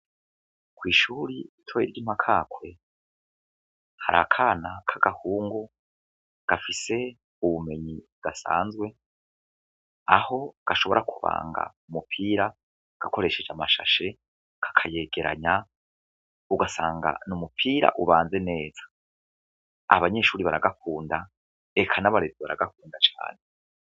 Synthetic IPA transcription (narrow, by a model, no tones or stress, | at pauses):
kwiːʃuɾiitʰwoiɾɡim̥hakʰakwe̞ | haɾa̰kʰaːnakʰaɡ̥ahuːŋɡu | ɡ̥afise̞ | uβume̞ɲi | ɡ̥asa̰ːnzɡwe̞ | aho̞ɡ̥aʃo̞βo̞̰ɾakʰuβa̰ːŋɡa̰ | umupʰiːɾa | ɡ̥ako̞ɾe̞ʃe̞d͡ʒamaʃa̰ʃe̞ | ɡ̥ḁkʰaje̞ɡ̥e̞ɾa̰ɲa | uɡasaːŋɡa̰numupʰiːɾa̰ʔuβaːnze̞ne̞ːz̥ḁ | a̰βaɲe̞ʃuːɾiβaɾaɡakʰuːnda | ekʰanaβaɾeziβaɾaɡakuːndat͡ʃa̰ːne